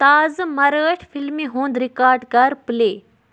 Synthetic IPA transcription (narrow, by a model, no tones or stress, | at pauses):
t̪aːzmɐɾəːʈʰfʰilmiɦũːnd̪ɾɪkaːɾɖɡɐɾpleː